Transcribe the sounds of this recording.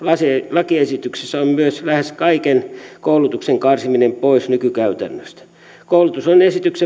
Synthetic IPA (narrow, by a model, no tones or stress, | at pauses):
lɑsilɑkiesit̪yksesːæommyøslæheskɑikenkoulut̪ukseŋkɑrsiminempoisnykykæyt̪æ̰nːøst̪æ̥ | koulut̪usonesit̪ykse